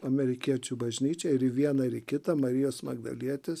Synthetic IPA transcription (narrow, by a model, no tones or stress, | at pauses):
ɐmʲɛɾʲɪkʲiɛt͡ʃʲubɐʒʲnʲiːt͡ʃʲɛɪɾɪʋʲiɛnɐɪɾɪkʲɪt̪ɐmɐɾʲɪjoːsmɐ̰ɡ̚d̪ɐ̰lʲiɛt̪ʲɪs